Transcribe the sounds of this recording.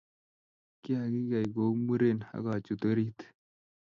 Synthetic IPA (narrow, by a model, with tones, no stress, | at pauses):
ki˦a˨ɡi˦ɡa˨jɡo˨˦mu˦ɾe˦˨na̰˦ɡa˨t͡ʃu˨tə˦ɾi˦t̪